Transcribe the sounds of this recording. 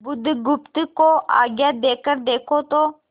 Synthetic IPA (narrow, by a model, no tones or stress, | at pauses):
bʊd̪ʱɡʊpt̪koʔa̰ːɡjaːd̪eːkəɾd̪eːkʰot̪oː